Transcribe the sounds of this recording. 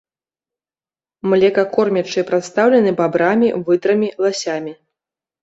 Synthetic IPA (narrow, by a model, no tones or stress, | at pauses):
mlʲɛkɐkɔrmʲat͡ʂɨpɾat̪st̪awlʲɛnɨbabɾamʲivɨd̪ɾɐmʲilˠasʲamʲi